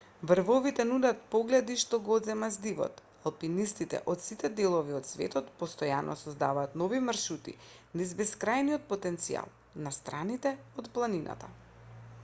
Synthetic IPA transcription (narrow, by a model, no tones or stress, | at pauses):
vɾ̩vɔvit̪ɛnud̪at̪̚pɔɡlɛd̪iʃt̪ɔɡɔɔd̪zɛmazd̪ivɔ̰t̪ | alˠpinist̪it̪ɛ̰ʔɔt̪sit̪ɛd̪ɛlˠɔviot̪svɛ̰t̪ɔt̪pɔst̪ɔjanʔɔ̰sɔzd̪avaːt̪nɔvimrʃut̪ḭ | nizbɛskɾajnijɔt̪̚pɔt̪ɛnt̪sia̰lˠ | nast̪ɾanit̪ɛot̪plˠaninʔa̰t̪a